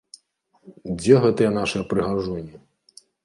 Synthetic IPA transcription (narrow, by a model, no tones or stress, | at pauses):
d͡zʲɛɣɛt̪ɐjɛnaʂɨjɛpɾɨɣaʐɔnʲi